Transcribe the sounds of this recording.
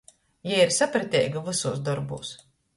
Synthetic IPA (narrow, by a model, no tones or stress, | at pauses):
jaiɾsapɾɨt̪ʲɛ̰ːjɡavɨsuːsd̪ɔɾbṵːs